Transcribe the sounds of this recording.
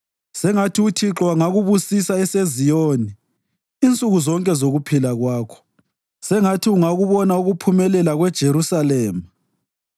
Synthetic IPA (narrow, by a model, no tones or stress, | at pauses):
sɛŋatʰiutʰiǁwaŋaɣuβusisaɛsezijoniː | nt͡sʼuɣuzɔŋkʼɛzoɣupʰilaɣwaːkʰɔ̥ | sɛŋatʰiuŋaɣuβɔnauɣupʰumɛlɛlaɣwɛd̥ʒ̥ʱeɾusalɛːma